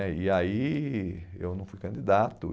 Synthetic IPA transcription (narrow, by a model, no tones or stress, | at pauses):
ɛiai | ḛwnɐ̃w̃fujkɐ̃nd͡ʒ̪id̪at̪ʊ̰